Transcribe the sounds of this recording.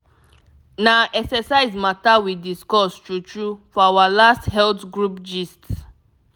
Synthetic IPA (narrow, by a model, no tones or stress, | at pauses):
naʔɛksɛsaɪzmatawidiskɔstɹut͡ʃɹufɔawalasthɛltɡɹupd͡ʒists